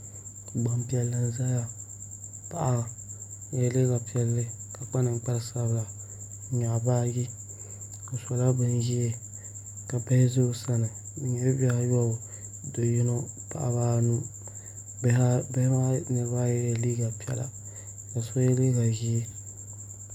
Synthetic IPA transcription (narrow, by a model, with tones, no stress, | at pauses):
ɡ͡ba˨mpi˦ɛ˨lːa˨n˦za˦ja˨ | pa˨ʔa˦˨ | ɛ˦li˦ɡa˨pi˨˦ɛ˨lːɨ˦ | ka˨k͡pa˦nɨ˨ŋ͡m̩˦k͡pa˦lsa˦bla˨˦ | ɲa˨baː˦ji˦ | o˨sɔ˨la˦bɨ˦nʒi˦e˦ | ka˨bɛ˦hɪ˦zo˦sa˦nɨ˨ | ɲɛ˨˦bɛ˦a˦jɔ˦˨ | do˨ji˦no˦pa̰˨ʔa˨βaː˦nu˦ | bbɛ˦hma˦nɨ˨˦ba˦jjɛ˨li˦ɡa˨pi˨˦ɛ̰˨la̰˨ | ka˨so˦jɛ˦li˦ɡa˨ʒi˦e˦